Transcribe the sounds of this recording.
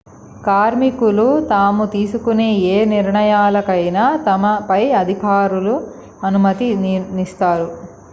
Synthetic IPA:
kaːɾmikulut̪aːmut̪iːsukuneːeːniɾɳɐjaːlɐkɐjnaːt̪ɐmɐpɐjɐd̪ʱikaːɾulu | ɐnumɐt̪inist̪aːɾu

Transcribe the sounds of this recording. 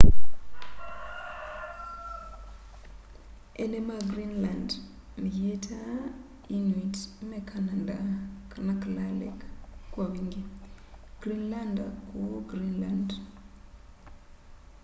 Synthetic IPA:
ḛnemaɡɾinland | mijetʰa | initmekʰanandakanaklalḛkkwaβiŋɡe | ɡ̥ɾinlandakuɡɾinland

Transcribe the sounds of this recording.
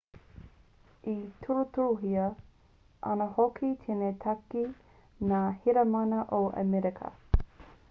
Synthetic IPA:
itʰuɾut̪uɾuɦiə | ʔɐ̰nɐhokʰit̪ʰenet̪ʰɐki | naːhiɾɐmɐnɐʔoʔə̰mɛɾekʰɐ̰

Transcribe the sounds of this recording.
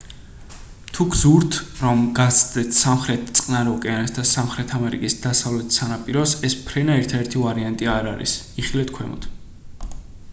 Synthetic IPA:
t̪ʰuɡzuɾt̪ʰɾɔmɡat̪sʰd̪ɛt̪ʰsamχɾɛt̪̚ʰt̪sʼqʼnaɾɛɔkʼɛansd̪asamχɾɛt̪ʰamɛɾḭkʼisd̪̥asavlɛt̪ʰsanapʼiɾɔsɛspʰɾɛnaɛɾt̪ʰad̪ɛɾt̪ʰivaɾiant̪ʼiaɾaɾḭs | iχilɛt̪ʰkʰwɛ̰mɔ̰t̪ʰ

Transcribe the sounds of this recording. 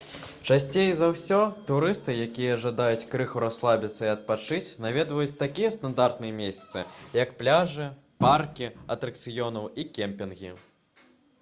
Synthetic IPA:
t͡ʂasʲt͡sʲejzawsʲɔt̪uɾɨst̪ɨjakʲijɐʐad̪ajut͡sʲkɾɨxuɾaslˠabʲit̪sːɐiɐt̪̚pat͡ʂɨt͡sʲnavʲɛd̪vɐjut͡sʲt̪akʲijɛst̪and̪art̪nɨjɐmʲesʲɐ̥t̪sɨjɐkplʲaʐɨ | parkʲiɐt̪ɾɐk̚t̪sɨjɔnɐwikʲɛmpʲinɣʲḭ

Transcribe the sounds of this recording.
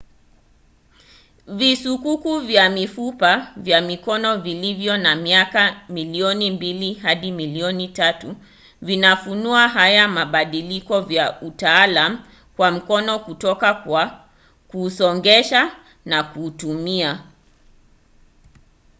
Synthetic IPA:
visukukuvjamifupavjamikɔnɔvilivjɔnamiakamiliɔnimbiliɦaɗimiliɔnitatu | vinafunuaɦajamaɓaɗilikɔvjaʔutaːlamu | kwam̩kɔnɔkutɔkakwa | kuːsɔŋɡɛʃa | nakuːtumia

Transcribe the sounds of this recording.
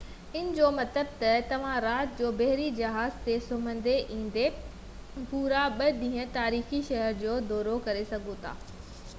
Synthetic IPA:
ɪnɪ̆d͡ʑoːmɐt̪əb̚t̪ɐt̪ɐʋ̤ãɾaːt̪̚d͡ʑoːbɐɦɾid͡ʑɐɦaːzt̪esʊmə̃nd̪eʔĩːn̆d̪e | puːɾaɓɐd̪ĩːɦə̃t̪aːɾiːxiʃɐɦəɾd͡ʑoːd̪ɔːɾokɐɾesɐɡʱõt̪ʰa̰ː

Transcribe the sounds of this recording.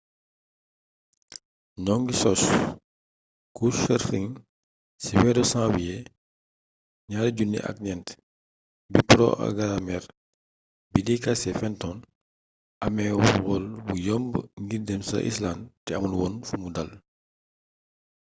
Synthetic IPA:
nɔŋɡisɔs | kuʃɛɾfiŋ | siwɛːdɔsãːwijɛ | ɲaːɾɟunːḭʔɐ̰k̚ɲɛnt | bipɾɔ̰ʔa̰ɡaɾamɛɾ | bidikasɛfɛntɔn | ʔɐmɛwɔwɔlbujɔmbŋɡirdɛmsɐ̰ʔḭslantɛɐmulwɔːnfumudɐl

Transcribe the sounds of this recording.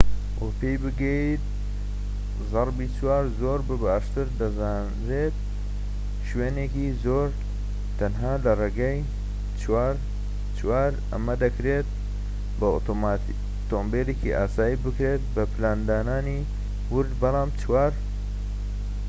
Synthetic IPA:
wopʰejbɨɡɛit̪̚ | zɑɾbiːt͡ʃwaːɾzoːɾbɨbaːʃt̪ɨɾd̪ɐzaːnɾeːt̪̚ | ʃweːneːkizoːɾ | t̪ʰɐnɦaːlɐreɡaj | t͡ʃwaːɾ | t͡ʃwaːɾʔɐ̰mɐd̪ɐkɾeːt̪̚ | bɐ̰ | t̪oːmbeːleːkiʔaːsaːjibɨkɾeːt̪̚bɐpʰɨlaːnd̪aːnaːni | wʊɾd̪bɑlɑːmt͡ʃʰwaːɾ

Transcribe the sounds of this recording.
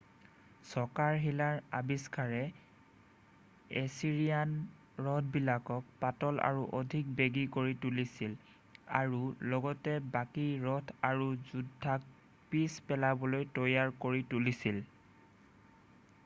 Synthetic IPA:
sɔkaɹɦilaɹabiskaɹɛ | esiɹijan | ɹɔt̚ʰbilakɔk̚patɔla̰ɹuʔodʱik̚beɡikoɹitulisil | a̰ɹulɔɡɔtɛbakiɹɔtʰaɹuzudʱːak̚ | pispɛlabɔlojtɔjaɹkoɹitulisil

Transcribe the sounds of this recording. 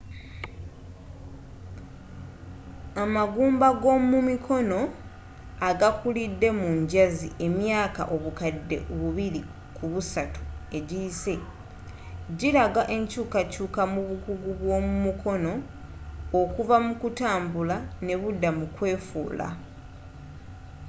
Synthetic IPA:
amaɡuːmbaɡo̞mumikʰo̞no̞ | aɡakulidːe̞muɲɟazḭʔe̞mjaːka̰ʔo̞βukadːe̞̰βuβiɾi | kʰuβusatu̥e̞ɟiːse̞ | ɟiɾaɡaʔe̞ɲcuːkacuːkamuβuɡuɡuβwo̞ːmumukʰo̞no̞ː | kuvamukutaːmbulane̞βudːamukwe̞ːfṵːla̰

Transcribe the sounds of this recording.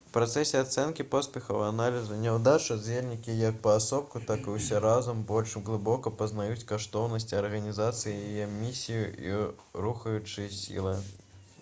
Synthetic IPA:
wpɾat̪sɛsʲɛat̪sɛnkʲipɔspʲɛxɐwanalʲizunʲɛwd̪at͡ʂɐd͡zʲelʲnʲikʲijɐk̚pɐːsɔp̚kut̪akɨwsʲɛɾazɐmbɔlʲʂɣlˠɨbɔkɐpɐznajut͡sʲkaʂt̪ɔwnɐsʲt͡sʲiɐrɣɐnʲizat̪sɨjijajɛmʲisʲijuḭ | ɾuxɐjut͡ʂɨjɐsʲḭlˠɨ

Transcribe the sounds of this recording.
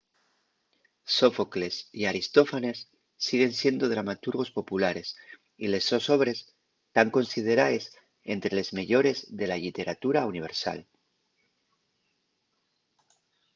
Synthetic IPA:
so̞fokle̞siaɾist̪o̞fane̞sː | iɣ̞e̞nsje̞nd̪o̞ðɾamat̪uɾɣ̞o̞spo̞pulaɾe̞s | ile̞sːo̞so̞βɾe̞s | t̪aŋko̞nsið̞e̞ɾaes | e̞nt̪ɾe̞le̞zmeʎo̞ɾe̞zðe̞lalit̪e̞ɾat̪uɾauniβ̞e̞ɾsa̰l

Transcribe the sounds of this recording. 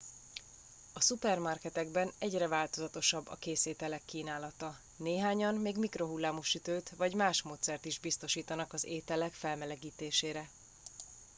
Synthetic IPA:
ɒsupɛrmɒrkɛt̪ɛɡbɛnɛɟrɛvaːlt̪o̞zɒt̪o̞ʃɒbːɒ̰keːseːt̪ɛlɛkːiːnaːlɒt̪ɒ | neːɦaːɲɒnːeːɡmikro̞ɦulːaːmo̞ʃyt̪øːt̪vɒɟmaːʃmoːt̪sɛrt̪iʒbist̪o̞ʃiːt̪ɒnɒkɒzeːt̪ɛlɛkfɛlmɛlɛɡiːt̪eːʃeːɾɛ

